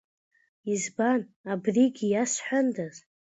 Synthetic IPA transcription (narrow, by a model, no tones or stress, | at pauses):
izbanabriɡʲijasħʷᶣandaz